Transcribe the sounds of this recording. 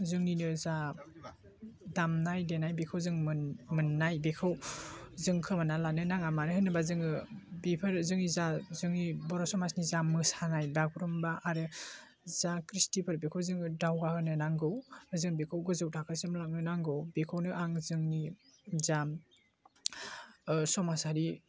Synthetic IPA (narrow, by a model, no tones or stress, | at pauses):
zɯŋninɯza | damnajdenajbekʰɯwzɯŋɯmɯnːajbekʰɯwzɯŋkʰɯmanalanɯnaŋamanɯɦɯnɯbazɯŋɯbipʰɯɾzɯŋnizazɯŋnibɔɾɔsɔmasnizamɯsanajbaɡʰuɾɔmbaʔaɾɯ | zakɾistipʰɯɾbekʰɯwzɯŋɯdawɡahɯnɯnaŋɡɯwbazɯŋnbekʰɯwɡɯzɯwtʰakʰɯsemlak̚nɯnaŋɡɯwbekʰɯwnɯʔaŋzɯŋni | zam | sɔmashaɾi